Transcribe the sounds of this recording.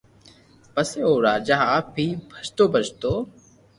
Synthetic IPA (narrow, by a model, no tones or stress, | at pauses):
pəseːɦoːɾaːd͡ʒaɦaːp̚bʱiːbʱət͡ʃt̪oːbʱət͡ʃt̪oː